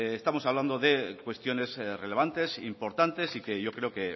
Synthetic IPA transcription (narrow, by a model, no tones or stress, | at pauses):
est̪amo̞saβland̪o̞ðe̞kwe̞st̪jo̞ne̞zre̞le̞β̞ant̪e̞sḭmpo̞ɾt̪ant̪e̞sike̞ʝo̞kɾe̞oke̞